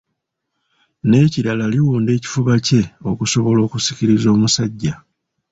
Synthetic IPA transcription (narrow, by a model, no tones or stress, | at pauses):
ne̞ːciɾalaliwuːnde̞ːci̥fuβace̞o̞kuso̞βo̞lo̞ːkusi̥ciɾizo̞ːmusaɟːa